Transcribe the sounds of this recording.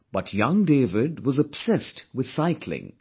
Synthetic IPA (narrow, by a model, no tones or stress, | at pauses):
b̥ʌtʰjʌ̃ŋdeːvɪdwʌzəb̥sɛstwɨð̥saɪkʰlɪ̰̃ŋ